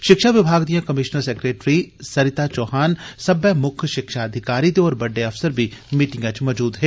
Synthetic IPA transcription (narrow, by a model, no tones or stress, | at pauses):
ʃɪkʃaʋɪbʱaːɡd̪ijãkɐmɪʃnəɾseːkɾeːʈɾisɐɾɪt̪at͡ʃoːɦaːnsɐbamʊkʰʃɪkʃaɐd̪ʱɪkaːɾit̪iɔːɾbɐɖːeɐfsəɾbʱimiːʈɪ̃ŋɡɛt͡ʃmɔːd͡ʒuːd̪ɦɛː